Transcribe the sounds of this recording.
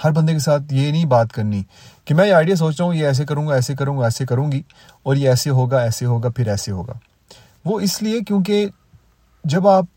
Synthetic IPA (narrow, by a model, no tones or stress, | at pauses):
hɐɾbɐnd̪ekesaːt̪ʰjenɐĩbaːt̪kɐɾni | kemɛ̃ːjeaːɪɖijas̬oːt͡ʃt̪aːɦũjeɛːs̬ek̬ɐɾũːɡaɛːsek̬ɐɾũːɡaɛːsekɐɾũːŋɡi | ɔːɾjeɛːseɦoːɡaɛːseɦoːɡapʰɪɾɛːseɦo̰ːɡa̰ː | ʋoːɪsliekjõːk̬e | d͡ʒɐbaːp̚